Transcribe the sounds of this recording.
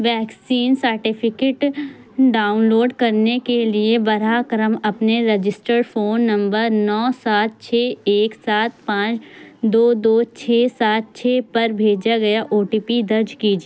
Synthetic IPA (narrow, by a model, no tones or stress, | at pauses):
ʋɛːksiːnsəɾʈɪpʰɪkeːʈ | ɖaːʊnloːɖkɐɾnekeliebɐɾaːkɾəmɐpneɾɐd͡ʒɪsʈəɾfoːnːɐ̃mbəɾnɔːsaːt̪̚t͡ʃʰeːeːksaːt̪̚pãːt͡ʃd̪oːd̪oːt͡ʃʰɛːsaːt̪̚t͡ʃʰeːpɐɾbʱeːd͡ʒaɡɐjaʔoːʈiːpid̪ɐɾd͡ʒkiːd͡ʒː